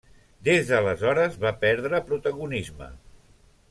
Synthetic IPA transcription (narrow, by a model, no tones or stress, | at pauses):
d̪ezðələzɔɾəzβapɛɾðɾəpɾut̪əɣunizmə̰